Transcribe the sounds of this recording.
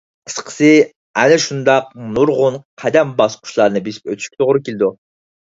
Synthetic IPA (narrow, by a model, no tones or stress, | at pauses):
qʰə̥sqʰə̥sɨ | ænɛʃund̪ɑq̚nuɾʁʊnqʰæd̪ɛmbɑsqʰʊ̥ʃlˠɑɾnɨbisi̥p̚øt̪ʰy̥ʃkʲit̪ʰoʁɾukʲelɪd̪u